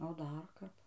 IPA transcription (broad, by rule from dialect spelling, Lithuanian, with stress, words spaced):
oː ˈdɐr ˈkɐp